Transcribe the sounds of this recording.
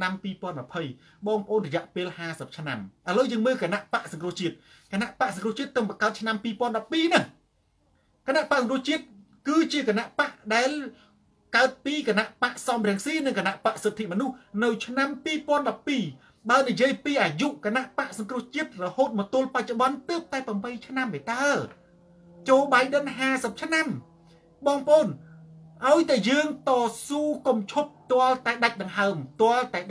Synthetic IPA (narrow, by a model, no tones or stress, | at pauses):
nampiːpŏənmapʰəj | ɓɑːŋpə̆ʔoːnrɔjɛ̆əʔpeːlhaːsəp̚t͡ɕʰna̰mʔələːwjəːŋməːlkanaʔpaʔsɑŋkrŭəht͡ɕiət̪̚ | kanaʔpaʔsɑŋkruəht͡ɕiət̪ːəwŋpɑkaət̪̚t͡ɕʰnampiːpŏənɗɑpːiːnɨh | kanaʔpaʔsɑŋkrŭəht͡ɕiət̪̚ | kɨːt͡ɕiəkanaʔpaʔɗaɛl | kaət̪̚piːkanaʔpaʔsɑmrɛ̆əŋsiːnɨŋkanaʔpaʔset̪ʰːiʔmənuhnɨwt͡ɕʰnampiːpŏənɗɑpːiː | ɓaənijiəjpiːʔaːjuʔkanaʔpaʔsɑŋkruəht͡ɕiət̪̚rɔhoːt̪̚mɔːt̪ʊ̆əlpac̚t͡ɕoɓɑnt̪əːp̚t̪aɛprɑmɓəjt͡ɕʰnamʔet̪aɛ | t͡ɕoːlɓaːjɗənɦaːsəp̚t͡ɕʰnam | ɓɑːŋpəʔoːnʔaɔjt̪aɛjəːŋt̪ɑːsuːkumt͡ɕʰup̚t̪ŏəlt̪aɛɗac̚ɗɑŋɦaəmt̪ŏəlt̪aɛ